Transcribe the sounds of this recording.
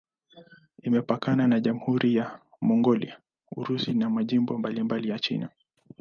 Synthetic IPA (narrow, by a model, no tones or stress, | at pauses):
imɛpakananaʄamuhuɾʔija | mɔŋɡɔlḭa | ṵɾusinamaʄimbɔmbalimbalijat͡ʃḭna